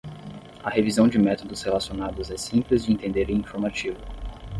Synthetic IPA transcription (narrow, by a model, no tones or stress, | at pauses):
ɐhevizɐ̃w̃d͡ʒɪmɛt̪od̪ʊshelasionad̪ʊzɛsĩplɪzd͡ʒɪẽnt̪ẽnd̪eɾẽĩfoɾmat͡ʃivʊ